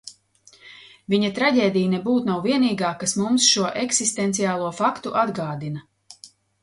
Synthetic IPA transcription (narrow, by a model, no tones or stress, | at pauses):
viɲat̪ɾaɟʲeːd̪ijnɛbuːt̪nawviɛniːɡaːkasmumsʃuɔʔɛksist̪ɛnt̪siaːlˠuɔfakt̪uʔad̪ɡaːd̪inɐ